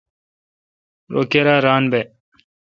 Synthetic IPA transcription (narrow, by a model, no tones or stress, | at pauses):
ɾo̰ːkeɾaːɾaːnbe